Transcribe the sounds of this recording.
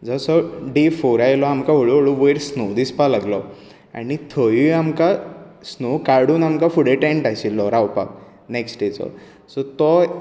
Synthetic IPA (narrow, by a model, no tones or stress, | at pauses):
d͡zɔsɔɖefoɾajlɔamkaɦoɭuɦoɭuʋəjɾsnod̪ispalaɡlɔ | a̰nit̪ʰəʋiamka | snokaɽuːnamkafuɽeʈẽɳʈajɕilːɔɾawpa̰k̚ | neksʈet͡sɔ̰ | sɔt̪ɔ